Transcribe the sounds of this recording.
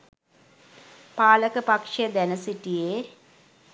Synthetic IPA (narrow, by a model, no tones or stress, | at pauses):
paːlɐkːɨpɐkʂɐd̪enɐsitːije